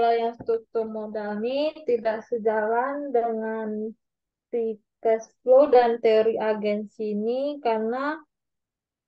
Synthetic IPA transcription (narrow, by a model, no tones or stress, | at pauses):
lajaŋst̪uk̚t̪urmodalnit̪idaʔsəd͡ʒalandəŋan | t̪ikɛsflodant̪eoɾiʔaɡɛnsinikarna